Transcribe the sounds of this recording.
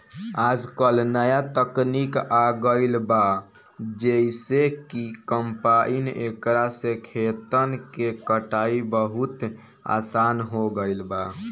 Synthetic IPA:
ad͡ʒkəlnəjat̪əknikaɡəɪlba | d͡ʒeisekikəmpainḛkɾasẽkʰet̪ənkekəʈaibəɦut̪ | a̰sanɦoɡəɪlba

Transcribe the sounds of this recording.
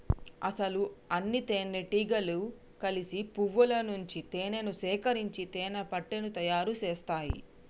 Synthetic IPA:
ɐ̰sɐluɐnːit̪eːnːeʈiːɡɐlu | kɐlisipuʋːulɐnuɲt͡ʃit̪eːnenusɛːkɐɾiɲt͡ʃit̪ɛːnɐpɐʈːenut̪ɐjaːɾut͡ʃɛːst̪aːjḭ

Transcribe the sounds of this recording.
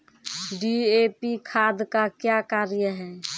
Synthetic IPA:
ɖiepikʰad̪kakjakaɾjəɦɛː

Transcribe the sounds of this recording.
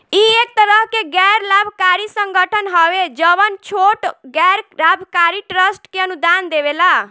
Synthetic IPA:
iek̚t̪əɾəɦkeɡɛɾlabʱkaɾisəŋɡəʈʰənɦɔʋed͡ʒəʋənt͡ʃʰoʈɡɛɾlabʱkaɾiʈɾəsʈkeənud̪and̪eβela

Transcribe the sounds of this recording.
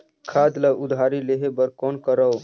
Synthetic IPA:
kʰad̪laʔud̪ʱaɾileɦebəɾkɔnkəɾəw

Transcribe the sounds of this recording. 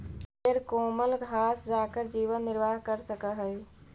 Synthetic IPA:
eɾkoːməlɡʱaːsd͡ʒaːkəɾd͡ʒiːʋənːɪɾʋaːɦkəɾsəkəɦəj

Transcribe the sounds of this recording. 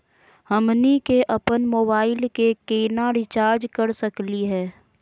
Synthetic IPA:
həmnikeʔɐpənmoːbaːɪlkekeːnaɾɪt͡ʃaːɾd͡ʒkəɾsəkliɦɛː

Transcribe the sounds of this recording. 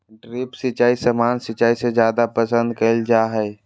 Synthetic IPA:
ɖɾipsit͡ʃaːisəmaːnsit͡ʃaːised͡ʒjaːd̪apəsə̃nd̪kəld͡ʒaɦɛ

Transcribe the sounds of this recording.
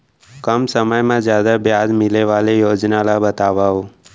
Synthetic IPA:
kəmsəməjmãzjaːd̪abjaːzmɪleʋaːlejoːd͡ʒnalabət̪aːʋaːɦoː

